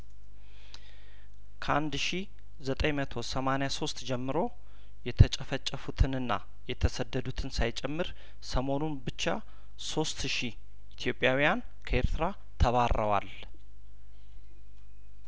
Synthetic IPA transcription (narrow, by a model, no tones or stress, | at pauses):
kʰəand̪ʃi | zət̪ʼəjmət̪ʰo̞səmanejaso̞st̪d͡ʒɛmːɨɾo̞ | jɛt̪ʰət͡ʃʼəfət͡ʃʼːəfut̪ʰɨnɨnːa̰ | jɛt̪ʰəsəd̪ːəd̪ut̪ʰɨnsajt͡ʃʼɛmːɨɾ | səmo̞nunbɨt͡ʃːa | so̞st̪ʃi | ʔit̪ʰjo̞pʼːjawijan | kʰəeɾt̪ɨɾa | t̪ʰəβarəwa̰l